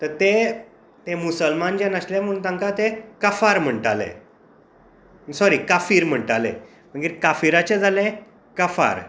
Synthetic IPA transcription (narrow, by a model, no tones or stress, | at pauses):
t̪əɾt̪e | t̪emusəlmand͡ʑãnəslãm̤əɾuːnt̪ãŋkat̪ekəfaɾm̤əɳʈalḛ̃ | sɔɾiːkafiːɾm̤əɳʈalḛ̃ | m̤əɡiːɾkafiɾat͡ɕed͡zʱalẽ | kəfa̰ɾ